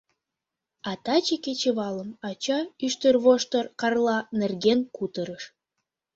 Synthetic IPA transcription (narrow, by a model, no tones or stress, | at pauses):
ɑt̪ɑt͡ɕeket͡ɕeβɑləmɑt͡ɕɑyʃt̪ørβoʃt̪ərkɑrlˠɑnerɡenkut̪əɾəʃ